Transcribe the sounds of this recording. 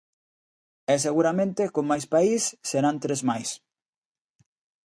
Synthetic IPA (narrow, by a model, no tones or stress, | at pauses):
ɛseɣuɾamẽnt̪ekoŋmːajspaisːeɾant̪ɾezmajs